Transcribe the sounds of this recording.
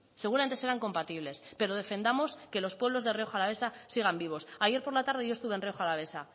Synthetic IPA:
se̞ɣuɾament̪ese̞ɾaŋko̞mpat̪iβ̞le̞spe̞ɾo̞ðe̞fe̞nd̪amo̞ske̞lo̞spwe̞β̞lo̞zðe̞reo̞xalaβ̞e̞sasiɣ̞ambiβ̞o̞saʝe̞ɾpo̞ɾlat̪aɾð̞e̞ʝost̪uβenreoxalaβe̞sa

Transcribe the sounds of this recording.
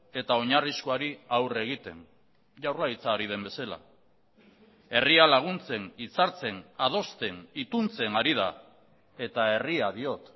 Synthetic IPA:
e̞t̪ao̞ɲariskoaɾiawre̞ɣ̞it̪e̞̰n | ʝawɾrlait͡saːɾið̞e̞mbe̞sala̰ | e̞rialaɣ̞unt͡se̞nit͡saɾt͡se̞nað̞o̞st̪e̞nit̪unt͡se̞naɾið̞a̰ | e̞t̪ae̞riaðio̞t̪

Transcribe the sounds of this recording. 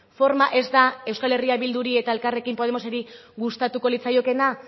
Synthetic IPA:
fo̞ɾmaʔe̞zd̪ae̞wskale̞riaβild̪uɾie̞t̪ae̞lkare̞kimpo̞ð̞e̞mo̞seɾiɣust̪at̪uko̞lit͡sajo̞ke̞na

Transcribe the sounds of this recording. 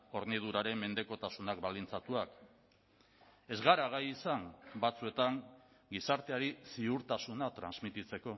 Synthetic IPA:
o̞ɾnið̞uɾaɾe̞mːe̞nd̪e̞ko̞t̪asunakbalint͡sat̪uak | e̞zɣaɾaɣ̞ajisambat͡sue̞t̪aŋ | ɡisaɾt̪e̞aɾisiuɾt̪asunat̪ɾanzmit̪it͡se̞ko̞

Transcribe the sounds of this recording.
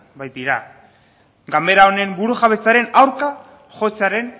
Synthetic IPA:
bajt̪iɾa | ɡame̞ɾao̞ne̞mbuɾuʝaβ̞e̞t͡saɾe̞nawɾka | ʝo̞t͡saɾe̞n

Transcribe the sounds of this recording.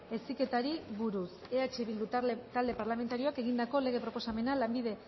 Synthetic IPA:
esike̞t̪aɾiβuɾus | e̞at͡ʃeβild̪ut̪ald̪e̞paɾlame̞nt̪aɾio̞ake̞ɣind̪ako̞le̞ɣe̞pɾo̞po̞same̞nalambiðe̞

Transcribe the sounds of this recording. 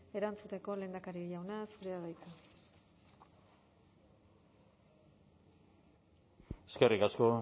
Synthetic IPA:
e̞ɾant͡sut̪e̞ko̞le̞ːnd̪akaɾiʎawnasuɾeaðajt̪u | eske̞rikasko̞

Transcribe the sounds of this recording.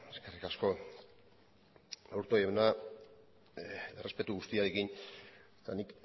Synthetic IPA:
eskerikasko̞ | awɾt̪ojewna | ere̞spe̞t̪uɣust̪iaɾekiɲet̪anik

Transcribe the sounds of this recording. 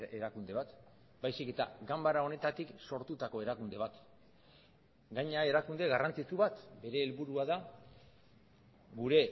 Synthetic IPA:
eɾakund̪e̞β̞at̪ | bajsike̞t̪aɡambaɾao̞ne̞t̪at̪ikso̞ɾt̪ut̪ako̞e̞ɾakund̪e̞βat̪ | ɡaɲae̞ɾakund̪eɣarant͡sit͡suβat̪be̞ɾe̞ːlβuɾuaða | ɡuɾe̞

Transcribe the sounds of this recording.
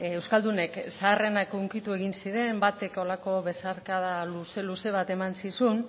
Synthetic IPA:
ewskald̪une̞ksaːre̞nakuŋkit̪ue̞ɣinsiɾe̞mbat̪e̞ko̞lako̞βe̞saɾkaðaluse̞luse̞β̞at̪e̞mansisun

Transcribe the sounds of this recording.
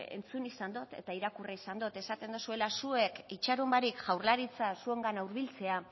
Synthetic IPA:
ḛnt͡sunisand̪ut̪e̞̰t̪aiɾakureisand̪ot̪e̞sat̪e̞nd̪usue̞lasue̞kit͡ʃaɾumbaɾikʝawɾlaɾit͡sasue̞ŋɡanawɾβ̞ilt͡se̞a

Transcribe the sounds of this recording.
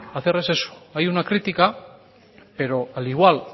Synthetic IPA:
aθeɾese̞su̥ajunakɾit̪ika | pe̞ɾo̞aliɣ̞wal

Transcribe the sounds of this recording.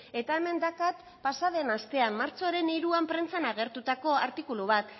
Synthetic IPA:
e̞t̪aeme̞nd̪akat̪ | pasaðe̞nast̪e̞ammaɾt͡so̞ɾe̞niɾuampɾent͡sanaɣ̞e̞ɾt̪ut̪ako̞aɾt̪ikuluβ̞at̪

